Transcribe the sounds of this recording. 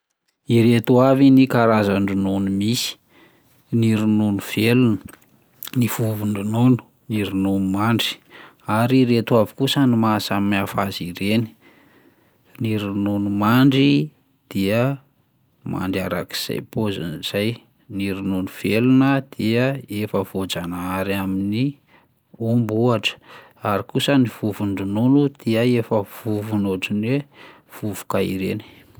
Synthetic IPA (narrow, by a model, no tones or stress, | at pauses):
iɾet̪uavinikaɾazaɳɖ͡ʐunonumisi̥ | niɾununuv̥elunə | nifuvuɳɖ͡ʐunonu̥ | niɾununumaɳɖ͡ʐi̥ | aɾiɾet̪wavi̥kusanimasammafaziɾeni̥ | niɾunonumaɳɖ͡ʐi | d̪̥iə | ma̰ɳɖ͡ʐaɾa̰ki̥z̥a̰jpozə̰niz̥aj | niɾinonuv̥elunəd̪̥iəefəv̥od͡zanaaɾamini | umbuaʈ͡ʂə̥ | aɾikusəniv̥uvuɳɖ͡ʐununud̪̥iəefəv̥uvunoʈ͡ʂinwe | v̥uvu̥kaḭɾeni̥